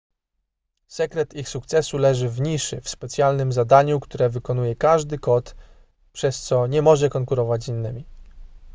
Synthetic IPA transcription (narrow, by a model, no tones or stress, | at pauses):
sɛkɾɛt̪ixsuk̚t̪sɛsulɛʐɘvɲiʂɘ̰fspɛt̪sjalnɘmzad̪aɲukt̪uɾɛvɘkɔnujɛkaʐd̪ɘkɔt̪ | pʂɛst̪sɔɲɛmɔʐɛkɔŋkuɾɔvad͡ʑinːɘmʲi